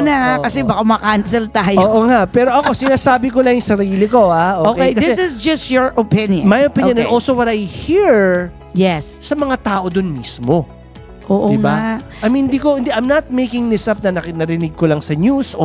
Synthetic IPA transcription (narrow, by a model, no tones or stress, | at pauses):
nɐkɐsɛbɐkamɐkansɛlt̪aːjoːʔoŋaʔpɛːɾoʔɐko̞sɪnaːsaːbɪkolɐjʊŋsɐɾiːlɪko̞haʔookejkɐsɪɛsɪzd͡ʒɐstjɔɹʔopɪ̃njmɐjopɪ̃ɲjõnɐnʔolsowɐt̪ɐjhiɹ | jɛssɐmɐŋat̪aːʔo̞d̪ʊnmismo | ʔoːʔoɪŋba | ɐjmhɪnd̪iːkohɪ̃nd̪iʔɐjmnɐt̪̚mejkɪŋd̪ɪsɐp̚nɐnɐnɐɾɪnɪɡ̚kolɐŋsɐɲusʔ